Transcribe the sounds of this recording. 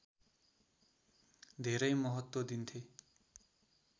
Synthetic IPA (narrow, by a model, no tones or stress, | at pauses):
d̪ʱeɾʌjmʌɦʌt̪wʌd̪int̪ʰe